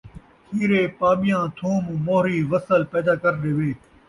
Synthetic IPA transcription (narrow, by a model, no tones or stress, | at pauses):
hʰiːɾeːpaːɓɪjãːt̪ʰũːmmoːɦɾiːʋəsəlpɛːd̪aːkɐɾɗeːʋeː